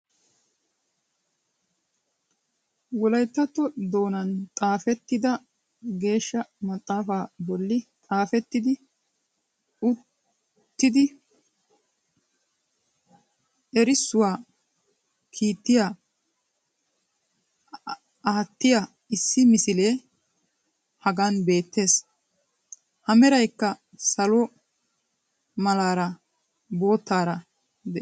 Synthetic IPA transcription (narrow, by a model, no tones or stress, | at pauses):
wɔlɐjt̪ːɐt̪ːɔd̪o̞ːnɐnt̪ʼaːfɛt̪ːɪd̪ɐ | ɡe̞ːʃːɐmɐt̪ʼːaːfaːbɔlːɪt̪ʼaːfɛt̪ːɪd̪ɪ | ʊ | t̪ːɪd̪ɪ | ɛɾɪsːʊwaː | kʰiːt̪ːɪja | aːt̪ːɪja | ɪsːɪmɪsɪleː | hɐɡanbe̞ːt̪ːe̞ːs | hɐmɛɾɐjkːɐ | sɐlɔ | mɐlaːɾɐ | bo̞ːt̪ːaːɾɐ | d̪ɛ